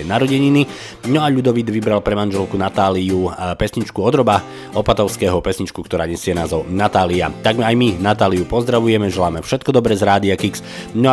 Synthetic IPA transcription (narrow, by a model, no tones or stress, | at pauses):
ɛnaɾɔɟɛɲini | nɔaʎud̪ɔʋid̪ʋibɾalpɾɛmanʒɛlkunat̪aːliupɛsɲit͡ʃkuɔd̪ɾɔba | ɔpat̪ɔʊskɛɦɔpɛsɲit͡ʃkukt̪ɔɾaːɲɛsɪɛnaːzɔnat̪aːliat̪aɡajminat̪aːlijupɔzd̪ɾaʋujɛmɛʒɛlaːmɛfʃɛt̪̚kɔd̪ɔbɾɛzɾaːd̪iakiks | nɔ